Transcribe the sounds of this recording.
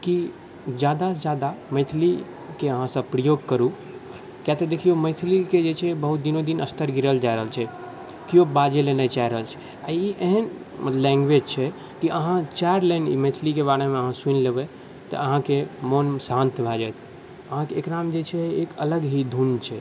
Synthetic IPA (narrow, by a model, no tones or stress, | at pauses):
ki | d͡ʒjad̪ad͡ʒjad̪aməɪt̪ʰli | keəɦãsə̃bpɾijoɡ̚kəɾu | kjat̪əd̪ekʰioməɪt̪ʰliked͡ʒet͡ʃʰɛbəɦut̪̚d̪inod̪inəst̪əɾɡiɾəld͡ʒaɪɾəɦəlt͡ʃʰɛ | kijobad͡ʒelenɛt͡ʃajɾəɦəlt͡ʃʰɛ̥ | a̰iʔeɦən | lɛ̃ŋɡʋed͡ʒt͡ʃʰɛ | kiəɦãt͡ʃaɾlenḭməɪt̪ʰlikeβaɽemẽəɦãsunlebɛ | t̪ə̰əɦãkemonsãnt̪bʱad͡ʒajt̪ʰ | əɦãkeːkɾamd͡ʒet͡ʃʰɛekələɡɦid̪ʱunt͡ʃʰɛ